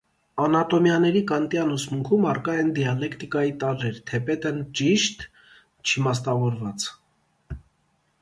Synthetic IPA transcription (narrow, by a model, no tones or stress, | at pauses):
ɑnɑt̪ɔmjɑnɛɾikɑnt̪jɑnɔsmuŋkʰumɑrkɑɛnd̪iɑlɛkʰt̪ikɑjit̪ɑɾːɛɾt̪ʰɛpɛt̪ənt͡ʃiʃt̪ | t͡ʃʰimɑst̪ɑvɔɾvɑt͡s